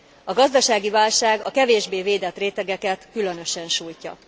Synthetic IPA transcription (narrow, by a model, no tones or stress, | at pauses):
ɒɡɒzd̪ɒʃaːɡivaːlʃaːɡɒkɛveːʒbeːveːd̪ɛt̪reːt̪ɛɡɛkɛt̪kylø̞nø̞ʃɛnʃuːjcɒ̰